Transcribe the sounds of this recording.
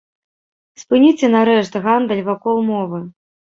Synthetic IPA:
spɨnʲit͡sʲɛnaɾɛʂt̪ɣand̪ɐlʲvakɔlˠmɔvɨ

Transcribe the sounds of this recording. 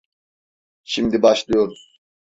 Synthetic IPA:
ʃimd̪ibaʃlˠɯjo̞ɾuz̥

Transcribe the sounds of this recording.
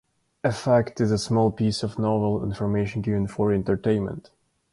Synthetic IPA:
ɨfæktɨzəsmɔlˠpisʌvnɑvəl̩ˠɪ̰̃nfə˞meɪʃɨ̃nɡɪvɨ̃nfə˞ɛ̃ntə˞tẽɪ̃nmə̰̃nt

